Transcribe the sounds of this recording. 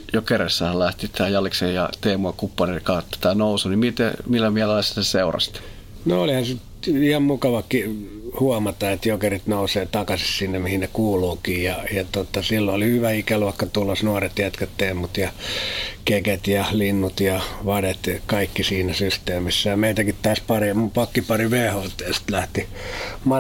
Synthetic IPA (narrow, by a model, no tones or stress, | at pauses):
jokeresːæhɑllæht̪it̪tæːjɑlksejjɑt̪eːmuɑkupːɑnekɑt̪ːo̥t̪æːnousunimit̪ḛmilːæmiælelːæseseurɑ̰st̪ | noolihɑsit̪ihɑmmukɑʋɑkːi | huɑmɑt̪ɑet̪jokerit̪nouseːt̪ɑkɑsissinːemihinnekuːluːkiːjɑjɑt̪ot̪ɑsilːoolihyʋæikælʋɑˑikːɑt̪ulːosnuɑret̪jæt̪kæt̪teːmːut̪jɑ | keket̪jɑlinːut̪jɑʋɑdet̪kɑikːisiːnæsyst̪eːmisːæjɑmeit̪ækit̪t̪ɑːspɑrimupɑkːipɑriʋeːhoːt̪ːeːst̪læht̪imɑ